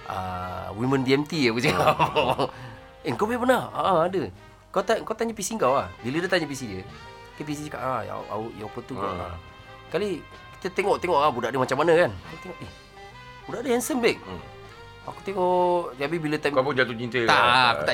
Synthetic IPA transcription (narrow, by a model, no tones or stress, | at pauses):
ʔa̰wiməndiɛmt̪iakəsəka | eŋkawbɛbənaa̰ʔaadə | kawt̪aŋkawt̪aɲapisiŋkawahbilədət̪aɲəpis̬idə | k̪əp̬is̬id͡ʒəka̰ʔaj̰ʔa̰uʔjapət̪ukaa̰ | kali | ki̥t̪ət̪eŋɔʔt̪eŋɔʔabudaʔdəmat͡ʃamːanəkankawt̪eŋɔʔe | budaʔdəhansəmbɛk̚ | a̰kut̪eŋɔʔt̪abibilət̪apud͡ʒat̪ut͡ʃint̪eaʔaakut̪a